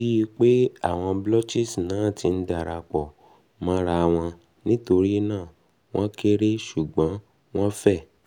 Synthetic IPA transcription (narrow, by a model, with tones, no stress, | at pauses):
i˦i˧k͡pe˦a̰˦˨w̃ɔ̃˧blɔ˦t͡ʃi˦˨snãː˨˦˨ti˧n̩˦da˦˨ɾa˧k͡pɔ˨ | mã˧˦ɾa˧˨w̃ɔ̃˧ | nĩ˦to˧ɾi˦nãː˦˨ | w̃ɔ̃˦ke˦ɾe˦ʃu˨ɡ͡bɔ̃˨˦ | w̃ɔ̃˦fɛ˦˨